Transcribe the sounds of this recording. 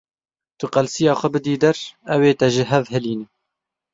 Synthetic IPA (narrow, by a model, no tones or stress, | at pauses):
t̪ʊqɑlsijɑːxʷɛbɨd̪iːd̪ɐɾɛweːt̪ɛʒɪɦɛvhɛliːnɪ